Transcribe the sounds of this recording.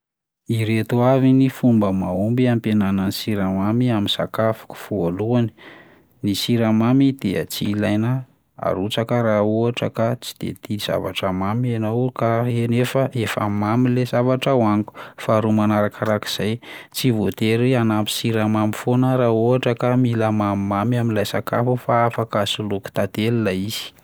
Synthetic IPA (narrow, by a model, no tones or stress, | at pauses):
iɾet̪uavinifumbəmaumbiampenananisiɾamamiamisa̰kafu̥ku̥fualuani̥ | nisiɾamamid̪̥eə̰t͡silajnə | a̰ɾut͡sakəɾauaʈ͡ʂəkat͡si̥d̪̥ḛt̪iz̥a̰va̰ʈ͡ʂamamianawkaenefəʔefa̰mamilezavaʈ͡ʂawaŋku̥faɾumanaɾakaɾaki̥z̥ajt͡sivot̪eɾianampi̥siɾamamifonəɾauaʈ͡ʂəkamilamammamiaminlajsaka̰fufaafakasuluku̥t̪ad̪elinaiz̥i̥